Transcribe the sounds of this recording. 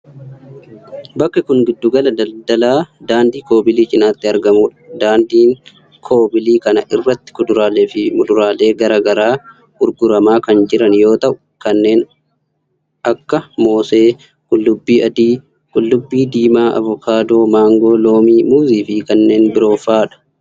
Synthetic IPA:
bɐkːɐkʊŋɡɪd̪ːʊɡɐlɐd̪ɐld̪ɐlaːd̪aːnd̪iːko̞ːbɪliːt͡ʃʼɪnaːt̪ːɪɐɾɡɐmuːᶑɐd̪aːnd̪iːŋ | kʰo̞ːbɪliːkɐnɐʔɪrːɐt̪ːɪ̥kʊd̪ʊɾaːleːfɪmʊd̪ʊɾaːle̞ːɡɐɾɐɡɐɾaː | ʊɾɡʊɾɐmaːkɐnd͡ʒɪɾɐnjo̞ːt̪ɐʔʊ | kɐnːe̞ːn | ɐkːɐmo̞ːse̞ː | kʼʊlːʊbːiːʔɐd̪iː | kʼʊlːʊbːiːd̪iːmaːʔɐ̰vʊkʰaːd̪oːmaːŋɡo̞ːlo̞ːmiːmuːziːfɪkɐnːe̞ːnbɪɾo̞ːfaːᶑɐ̥

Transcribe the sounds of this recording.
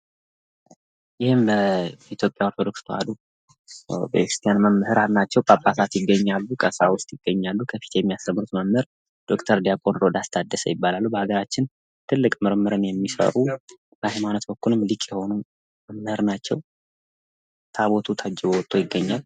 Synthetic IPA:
jɪhɪmbəit̪jo̞pʼjao̞ɾt̪ʰod̪o̞kst̪ʰo̰a̰d̪u | bə̰kɾi̥st̪ʰʼjanməmːɨhɨɾaɾnat͡ʃːɛwkʼapʼːat̪ʰat̪jɪɡːəɲːalːukʼəsawʊst̪ʼjɪɡːəɲːalːukʰəfi̥t̪jɛmːijast̪ʰəmːɾut̪məmɨɾ | d̪̥o̞kt̪ʰəɾd̪ijakʼonɾo̞d̪ast̪ʰad̪ːəsə̰jɪbːalalːubəhaɡəɾat͡ʃːɪn | t̪ʰɨlːɨkʼmɨɾmɨɾɨnjɛmːisə̰ɾu | b̥əhajmanət̪bəkːulɨmlikʼjɛho̞nu | məmmɨhɨɾnat͡ʃːɛw | t̪ʰaβo̞t̪ʰut̪ʰad͡ʒːɛβowɔt̪ʼːo̞jɪɡːəɲːal

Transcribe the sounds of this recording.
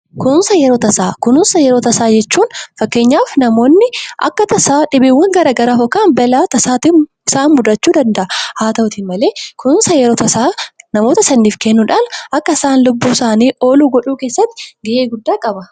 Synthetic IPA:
kʊnsɐjɛɾoːt̪ɐsaːkʊnʊnsɐjɛɾoːt̪ɐsaːd͡ʒɛt͡ʃːuːnfɐkːe̞ːɲːaːfnɐmo̞ːnːɪʔɐ̰kːɐt̪ɐsaːᶑɪbeːwːɐŋɡɐɾaːɡɐɾaːfɔkːaːnbɐlaːt̪ɐsaːt̪ɪ | ɪsaːmʊd̪ɐt͡ʃːuːd̪ɐnd̪ɐʔɐhaːt̪ɐʔʊt̪ɪnmɐle̞ːkʊnnsɐjɛɾoːt̪ɐsaːnɐmo̞ːt̪ɐsɐnːiːfkɛnːʊᶑaːnʔɐkːɐɪsaːnlʊbːuːsaːniːʔo̞ːluːɡɔᶑuːkeːsːɐt̪ːɪɡɪʔeːɡʊd̪ːaːkʼɐbɐ

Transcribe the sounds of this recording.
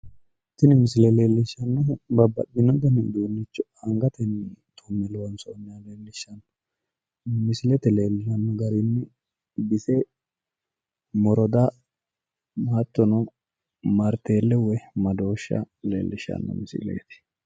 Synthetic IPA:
t̪ːɪnɪmɪsɪlɛleːlːɪʃːɐnːɐbɐbːɐ̰bɪnɔd̪ɛnɪd̪uːnːɪt͡ʃːɔɐŋɡɐt̪ɛnːt̪ʰɔmːɛlɛwɐnsɔɔnːaleːlːɪʃːɐnːɔ | mɪsɪlɛt̪ɛle̞ːlːɪnɐnːɔɡɐɾinːɪ | bɪsɛ | mɔɾɔd̪a | mat̪ːɔnɔ | mɐɾt̪eːlːɛwɛmɐd̪o̞ːʃːɐ̰ | leːlːɪʃːɐ̰nːɔ̰mɪsɪ̰lɛ̰jt̪ɪ̥

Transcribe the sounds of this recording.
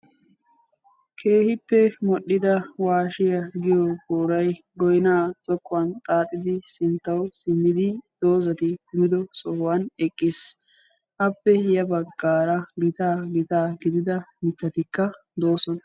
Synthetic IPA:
kʰe̞ːhɪpːɛmɔɗːɪd̪ɐwaːʃɪjɐɡɪjɔɡoːɾɐjɡɔjnaːt͡sʼɔkːʊwɐnt̪ʼaːt̪ʼːɪd̪ɪsɪnt̪ːɐwsɪmːɪd̪ɪd̪̥o̞ːzɐt̪ɪkʊmɪd̪ɔsɔhwɐnɛkʼːɪs | ʔɐpːɛjɐbɐɡːaːɾɐɡɪt̪aːɡɪt̪aːɡɪd̪ɪd̪ɐmɪt̪ːɐt̪ɪkːɐd̪o̞ːsɔnɐ

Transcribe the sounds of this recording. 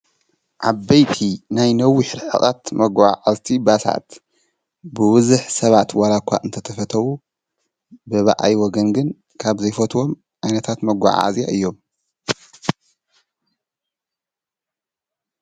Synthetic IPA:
ʔaβːejt̪ʰinajnɐwiħɨɾħɨ̰χʼat̪mɐɡʷaʕazt̪ʰibasa̰t̪ | bɨwɨzɨħsɐβat̪walakʷʰːa̰ʔɨnt̪ʰɐt̪ʰɐfɐt̪ʰɐwu | bɨβa̰ʔa̰jwɔɡɐnɡɨn | kʰaβzɐjfɐt̪ʰwom | ʔajnɐt̪ʰat̪mɐɡʷa̰ʕa̰zja̰ɨjːo̞m

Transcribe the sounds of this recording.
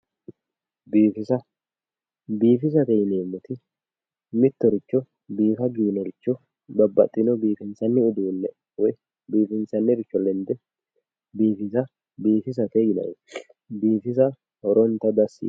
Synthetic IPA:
biːfɪsɐ | biːfɪs̬ɐt̪ɛjɪneːmːʊt̪ɪ | mɪt̪ːɔɾɪt͡ʃːɔ | biːfɐɡiːnːɛɾɪt͡ʃːɔ | bɐbːɐ̰t̪ʼːɪnɔbiːfɪnsɐnːɪʊd̪uːnːɛ | wɔj | biːfɪnsɐnːɪɾɪt͡ʃːɔlɛnd̪ɛ | biːfɪsɐ | biːfɪs̬ɐt̪ɛjɪnɐ̰w | biːfɪs̬ɐ | hɔɾɔnt̪ːɐd̪ɐsːḭː

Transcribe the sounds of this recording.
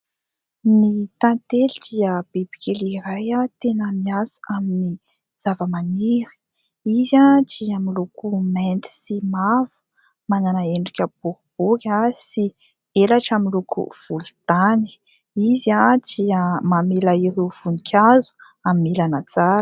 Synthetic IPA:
nit̪ant̪elid̪iəb̥ib̥i̥kʲelirajat̪enəmiasḁamini | z̥avəmaniɾi̥ | izad͡ʒiamilukumɛnt̪i̥simavu̥ | mananaeɳɖ͡ʐikʲəb̥ukib̥ukʲasi | elaʈ͡ʂaminlukṵv̥ult̪ani̥ | izad͡ʒiamamilaiɾuv̥unikʰʲazu̥ | aminilanat͡saɾə

